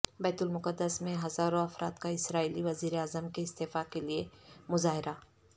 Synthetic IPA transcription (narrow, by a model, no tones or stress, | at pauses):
bɛːt̪ʊlmʊqəd̪ːəsmẽɦɐzaːɾõɐfɾʔa̰ːt̪kaɪsɾaːiːliʋɐziːɾeaːzəmkeɪst̪eːfakeliemʊzaːɦɪɾa